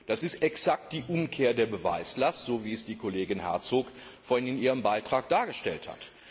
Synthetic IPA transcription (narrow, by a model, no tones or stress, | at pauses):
d̥asɪstɛksak̚t̚d̥iːʔʊmkʰeːɐdeːɐbəva̰ɪslastz̥oːviːɛsd̥iːkʰoleːɡɪnhɛ̰ɐt͡soːkfɔnɪnʔiːʁəmbaɪtʁ̥aːk̚d̥aːɐɡəʃtɛltha̰t